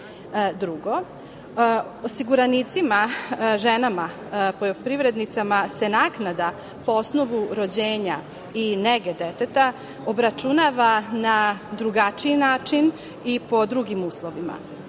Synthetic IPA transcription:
d̪ɾuɡo̞ | osiɡuɾanit̪simaʒe̞nama | pojopɾiʋɾe̞d̪nit̪samase̞naːknad̪a | poo̞sno̞ʋuɾo̞d͡ʑeːɲa | ineɡed̪et̪et̪a | o̞bɾat͡ʃunaʋanad̪ɾuɡat͡ʃiinaːt͡ʃin | ipo̞d̪ɾuɡimuːslˠo̞ʋima̰

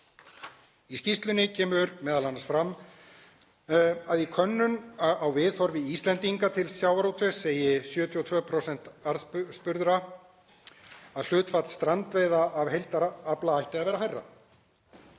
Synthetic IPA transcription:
iscist̪lʏnɪcʰɛːmʏɾmɛːðalansfɾam | aðikʰœnːʏnawvɪðθɔɾvɪist̪lɛnt̪iŋkat̪ʰɪlsjawaɾowt̪ʰʏseːjɪsjœːt̪ʰjɔt̪ʰvœːpʰɾowsɛn̥t̪aɾðspʏɾðɾa | aðl̥ʏːt̪fat̪st̪ɾant̪veːjðaːvɦejlt̪aɾaplaajht̪ɪaðvɛːɾaɦajrːa̰

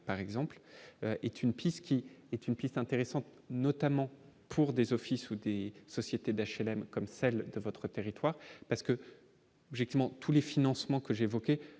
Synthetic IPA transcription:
paʁɛɡzɑ̃pløʔɛt̪ʰynpʰist̪kʲiɛt̪ynpist̪ɛ̃t̪eʁesɑ̃t̪ | nɔt̪amɑ̃pʰuʁd̪ezɔfisud̪esɔsjet̪ed̪aʃɛlɛmkɔmsɛld̪əvɔt̪χət̪eʁit̪waʁpaʁsə̥kə | ɔbʒɛk̚t̪ivmɑ̃t̪ʰulefinɑ̃smɑ̃kəʒeːvɔkʲe

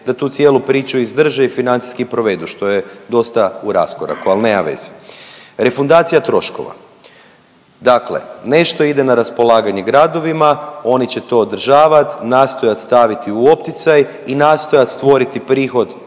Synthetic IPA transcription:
d̪̥at̪uːt̪sjelˠupɾiːt͡ʃuizd̪r̩ʒeifinant̪si̥skipɾo̞ʋe̞d̪uʃt̪o̞jed̪o̞st̪auɾa̰skoɾa̰kualnemaʋḛz̥i̥ɾe̞fund̪aːt̪sijat̪ɾo̞ʃko̞̰ʋa̰ | d̪aklḛne̞ʃt̪o̞id̪enaɾaspo̞lˠaːɡaɲe̞ɡɾad̪o̞ʋimao̞nit͡ɕe̞t̪o̞ːd̪r̩ʒaːʋat̪naːst̪o̞jat̪st̪aʋit̪iuo̞pt̪it̪saj | inaːst̪o̞jat̪st̪ʋo̞ɾit̪ipɾiːxo̞d̪

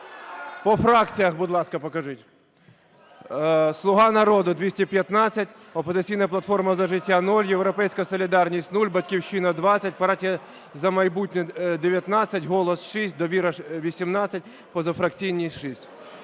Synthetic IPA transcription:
pɔfɾɑkt͡sʲijɐxbʊd̪lˠɑskɐpɔkɐʐɪtʲ | slˠʊɦɑnɐɾɔd̪ʊd̪ʲʋʲisʲtʲipʲjɐt̪nɑt͡sʲːɐtʲ | ɔpɔzɪt͡sʲijnɐplˠɐt̪fɔrmɐzɐʒɪtʲːanulʲjewɾɔpɛjsʲkɐsɔlʲɪd̪ɑrnʲisʲtʲnulʲbɐtʲkʲiwʃinɐd̪ʋɑt͡sʲːɐt̚ʲpɐɾɑtʲiɐ | zɐmɐjbutʲnʲɛd̪eʋʲjɐt̪nɑt͡sʲːɐtʲɦɔlˠɔsʃisʲt̚ʲd̪ɔʋʲiɾɐʋʲisʲimnɑt͡sʲɐtʲ | pɔzɐfɾɐkt͡sʲijnʲisʲtʲʃisʲtʲ

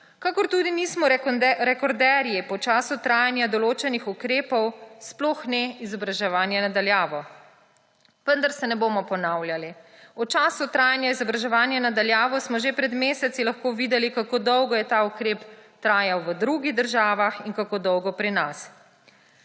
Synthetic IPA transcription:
kakɔɾt̪ud̪iniːsmɔɾɛkɔɾd̪ɛɾjipɔt͡ʃaːsut̪ɾaːjanjad̪ɔloːt͡ʃɛnixukɾeːpɔwsplɔxnɛizɔbɾaʒɛʋaːnjɛnad̪aljaːʋɔ | ʋənd̪aɾsɛnɛboːmɔpɔnawljali | ɔt͡ʃaːsut̪ɾaːjanjaizɔbɾaʒɛʋaːnjɛnad̪aljaːʋɔsmɔʒepɾɛd̪meːsɛt̪silaxkoːʋiːd̪ɛlikakoːd̪ɔwɡɔjɛt̪aukɾeːpt̪ɾaːjawʋəd̪ɾuɡiɣd̪əɾʒaːʋaxinkakoːd̪ɔwɡɔpɾinas

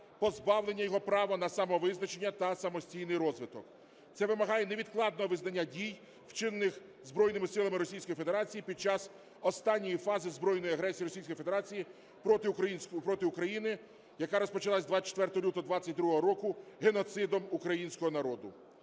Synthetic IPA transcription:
pɔzbɑwlˠenʲːɐjɔɦɔpɾɑʋɔnɐsɐmɔʋɪznɐt͡ʃe̞nʲːɐt̪ɐsɐmɔsʲtʲijnɪjɾɔzʋɪt̪ɔk | t̪sɛʋɪmɐɦɑjɛneʋʲid̪klˠɑd̪nɔɦɔʋɪznɐnʲːadʲij | wt͡ʃɪnːɪx | zbɾɔjnɪmɪsɪlˠɐmɪɾɔsʲijsʲkɔjife̞d̪e̞ɾɑt͡sʲijipʲid̪̚t͡ʃɑs | ɔst̪ɑnʲːɔjifɑzɪzbɾɔjnɔjiɐɦɾɛsʲijiɾɔsʲijsʲkɔjfe̞d̪eɾɑt͡sʲiji | ɔnʲpɾɔt̪ɪʊkɾɐjinɪ | jɐkaɾɔspɔt͡ʃɐlˠasʲd̪ʋat͡ʃe̥t̪ʋɛrt̪ɔɔlʲut̪ɔd̪ʋɑt͡sʲːɐt̚ʲd̪ɾuɦɔɦɔɾɔkʊɦenɔt̪sɪd̪ɔmukɾɐjinʲsʲkɔɦɔnɐɾɔd̪ʊ̰

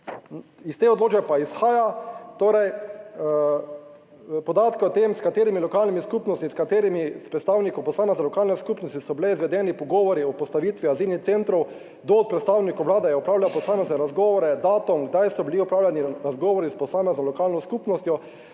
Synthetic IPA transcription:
ist̪eːɔd̪loːt͡ʃbɛpaisxaːjat̪oːɾɛj | pɔd̪aːt̪kɛɔt̪emskat̪eːɾimilɔkaːlnimiskupnɔst̪miskat̪eːɾimispɾɛt̪st̪aːwnikɔwpɔsaːmɛznɛlɔkaːlnɛskuːpnɔst̪isɔbilɛizʋɛd̪ɛːnipɔɡɔːʋɔɾiɔpɔst̪aʋiːt̪ʋiaziːlnixt̪sent̪ɾɔw | d̪ɔːt̪̚pɾɛt̪st̪aːwnikɔʋlaːd̪ɛjɛɔpɾaːwlawpɔsaːmɛznɛɾazɡɔːʋɔɾɛd̪aːt̪ɔmɡd̪ajsɔbiliɔpɾaːwlʲaniɾazɡɔːʋɔɾispɔsaːmɛznɔlɔkaːlnɔskupnɔst̪jɔ

